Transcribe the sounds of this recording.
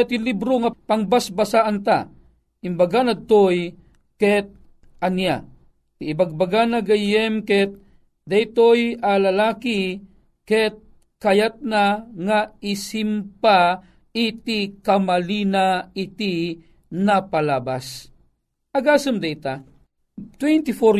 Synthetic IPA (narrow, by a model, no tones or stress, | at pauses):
t̪ɪlibɾoŋapaŋbasbasaʔant̪a | imbaɡanat̪oj | kɛt̪̚ | ɐnja | tiːbaɡ̚baɡanaɡajɛmkɛt̪̚ | d̪ajt̪ojalɐlaːki | kɛt̪̚ | kɐjat̪̚naŋaisimpa | it̪ikamalinait̪i | napalaːbas | ɐɡaːsɨmd̪ɛjt̪a | t̪wɛnt̪ifo